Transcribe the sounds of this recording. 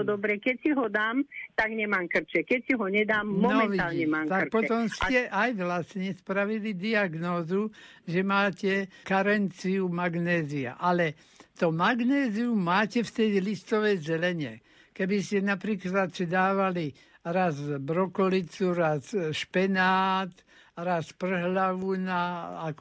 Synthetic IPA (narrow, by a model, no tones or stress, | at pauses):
d̪ɔbɾɛkɛcsiɦɔd̪aːmt̪aɡɲɛmaːmkr̩t͡ʃɛkɛcsiɦɔɲɛd̪aːmːɔnɔɛʋiaːlːɲɛmaːmt̪akk̚pɔɛt̪ɔmscɛʔajʋlasɲɛspɾaʋilid̪iaɡnɔːzuʒɛmaːcɛkaɾɛnt͡siumaɡnɛːzia̰ʔalɛ | t̪ɔmaɡnɛːziumaːcɛft̪ɛjlist̪ɔʋɛjzɛlɛɲɛ̰ | kɛbiscɛnapɾiːklat̪sid̪aːʋali | ɾazbɾɔkɔlit͡suɾasʃpɛnaːt̪ | ɾaspr̩ɦlaʋunaak